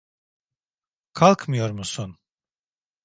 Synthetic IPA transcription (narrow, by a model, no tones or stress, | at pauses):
kʰalˠkʰmɯjoɾmusun